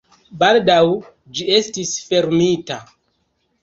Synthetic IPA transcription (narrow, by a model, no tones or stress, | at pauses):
baldaw | d͡ʒie̞stisfe̞ɾmita